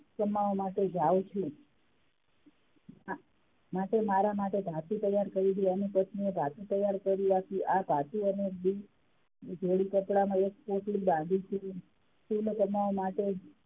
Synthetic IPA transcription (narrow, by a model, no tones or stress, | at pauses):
kəmaʋomaʈed͡ʒaʋt͡ʃʰũ | a | maʈemaɾamaʈebʱat̪it̪əjaɾkəɾid̪ianipət̪niebʱat̪ut̪əjaɾkəɾiakiʔabʱat̪uənebi | d͡ʒʱeɭikəpɽamãek̚poʈlibãnd̪ʱit͡ʃʰi | skulkəmaomaʈe